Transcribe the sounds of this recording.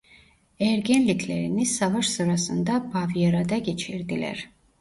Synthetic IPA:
ɛɾɡɛnlit̪ʰlɛɾinisavaʃsɨɾasɨnd̪abavijɛɾad̪aɡit͡ʃʰiɾd̪ilɛ̰ɾ

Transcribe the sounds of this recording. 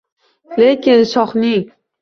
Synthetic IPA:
le̞kʲɪnsɒχnɪŋ

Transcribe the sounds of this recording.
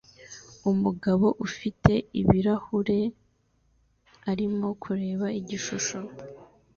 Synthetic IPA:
umuɡaβo̞ʔufitʰe̞iβiɾahuɾe̞ | aɾimo̞kʰuɾe̞ːβaiɟiʃuʃo̞

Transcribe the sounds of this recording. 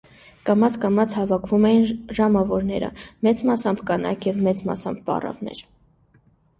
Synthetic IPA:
kɑmɑt͡sʰkɑmɑt͡sʰhɑvɑkʰvumɛjinʒɑmɑvɔɾnɛɾə̰mɛt͡smɑsɑmbʰkɑnɑ̰kʰjɛvmɛt͡smɑ̰sɑmb̚pɑ̰rɑ̰vnɛ̰ɾ

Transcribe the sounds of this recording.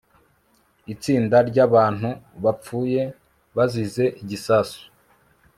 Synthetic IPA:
it͡siːndaɾɟaβaːn̥huβap͡fuːje̞ | βazize̞ʔiɟisaːsu̥

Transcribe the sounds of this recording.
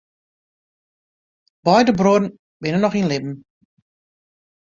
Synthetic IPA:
b̥ɔjdəbrodn̩ | bɪnənːɔχinlɪbm̩

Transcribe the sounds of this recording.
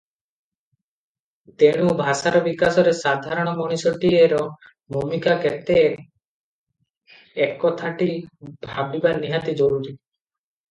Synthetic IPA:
t̪eɽ̃ubʱasaɾɔbikasɔɾesad̪ʱaɾɔɽ̃ɔmɔɽ̃isɔʈieɾɔ | bʱumikaket̪e | ekːɔt̪ʰaʈibʱabibaɾniɦat̪id͡ʒɔɾuɾi

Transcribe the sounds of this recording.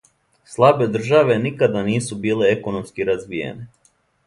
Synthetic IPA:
slˠabe̞d̪r̩ʒaʋe̞nikad̪aniːsubiːle̞eko̞no̞mskiɾazʋijḛne

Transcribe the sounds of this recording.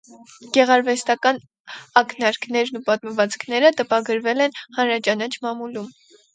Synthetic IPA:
ɡ̥ɛʁɑɾvɛst̪ɑkɑn | ɑkʰnɑɾkʰnɛɾnupɑt̪məvɑt͡skʰnɛɾət̪əpɑɡəɾvɛlɛnhɑnɾɑt͡ʃɑnɑt͡ʃʰmɑmulum

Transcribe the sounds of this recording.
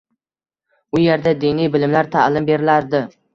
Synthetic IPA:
ʊjeɾd̪ad̪inijbɪlɪmlaɾt̪ʰalɪmbe̞ɾɪlaɾd̪ɪ

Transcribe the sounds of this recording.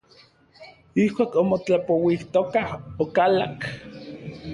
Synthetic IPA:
ihkʷaːkomot͡ɬapowiht̪okahokalak

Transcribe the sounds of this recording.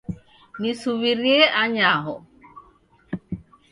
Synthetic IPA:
nisuβiɾjeaɲaɦɔ

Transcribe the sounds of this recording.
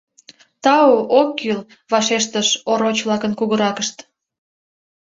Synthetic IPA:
t̪ɑookːyl | βɑʃeʃt̪əʃoɾot͡ɕβlɑkənkuɣəɾɑkəʃt̪

